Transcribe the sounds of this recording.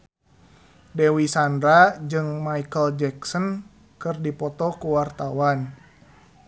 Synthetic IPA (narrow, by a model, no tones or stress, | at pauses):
dɛwisandɾad͡ʒɨŋmaikəld͡ʒɛksɔn | kɨrdipɔt̪ɔkuwart̪awan